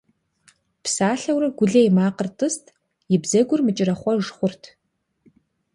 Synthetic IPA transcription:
psaːɬɐwrɐɡʷʊɮejmaːqərtʰʼɨstʰ | jɪbzɐɡʷʊrmɨt͡ʃʼɪrɐχʷɔʐχʷʊrtʰ

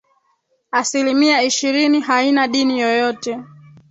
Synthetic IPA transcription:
asilimiaiʃiɾiniɦainaɗinijɔjɔtɛ

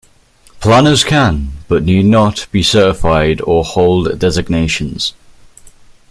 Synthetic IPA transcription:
pʰl̥anəz̥kʰə̃nb̥ʌʔniːdⁿnəʔb̥isɜˑtɪfaɪdəhɒʊlˠdːɛzɪɡneɪʃə̃nz̥

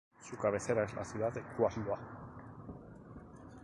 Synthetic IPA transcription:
sukaβeseɾaezlʔa̰sjuðaðekuasmd̪oa

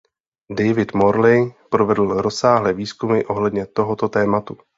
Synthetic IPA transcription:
dɛjvɪt̪moɾlɪjpɾovɛdl̩ɾo̞saːɦlɛːviːskumɪʔo̞ɦlɛdɲɛt̪o̞ɦot̪ot̪ɛːmat̪u

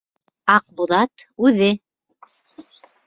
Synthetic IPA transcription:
ɑq̚buðˠɑt̪ʉðɘ

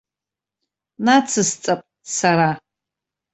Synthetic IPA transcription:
nat͡sʰɨst͡sʼapʼ | saɾa

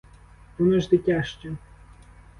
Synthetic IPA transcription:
t̪unɐʒd̪ɪtʲaʃt͡ʃɛ

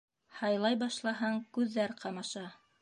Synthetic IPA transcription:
hɑjlˠɑjbɑʃlˠɑɦɑŋkʉðːæɾqʰɑmɑʃɑ

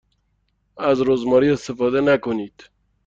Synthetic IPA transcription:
æzɾozmɒːɾiːest̪efɔːd̪enækoniːd̪̥

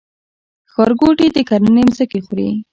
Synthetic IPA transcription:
xɑɾɡoʈid̪əkaɾənemzəkixuɾḭ

